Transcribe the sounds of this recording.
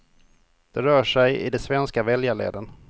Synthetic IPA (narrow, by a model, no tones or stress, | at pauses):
d̪̥ɛɾœːʂɛjɪ̰d̪ɛsvɛnskavɛljaɭḛːd̪ən